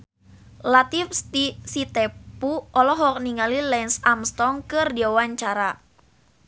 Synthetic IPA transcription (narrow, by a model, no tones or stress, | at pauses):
lat̪ifst̪isit̪epuʔɔlɔɦɔk̚niŋalilɛnsamst̪ɔŋkɨrdiawaɲt͡ʃaɾa